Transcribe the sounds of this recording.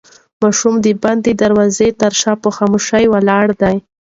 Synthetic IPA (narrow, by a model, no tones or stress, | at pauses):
mɑʃumd̪əband̪əd̪aɾwɑzet̪aɾʃɑpəxɑmoʃajwalɑɽd̪aj